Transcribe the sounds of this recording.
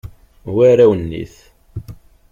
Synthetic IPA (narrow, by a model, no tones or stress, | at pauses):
wæɾæwənːḭθ